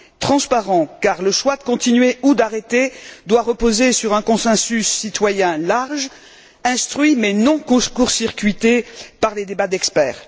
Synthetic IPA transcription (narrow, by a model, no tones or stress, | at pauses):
t̪χɑ̃spaʁɑ̃kaʁləʃwad̪əkɔ̃t̪inɥeud̪aʁet̪ed̪waʁəpozesyʁɛ̃kɔ̃sɛ̃sysːit̪wajɛ̃laʁʒ | ɛ̃st̪χɥimɛnɔ̃kkuʁsiʁkʲɥit̪epaʁled̪ebad̪ɛkspɛːʁ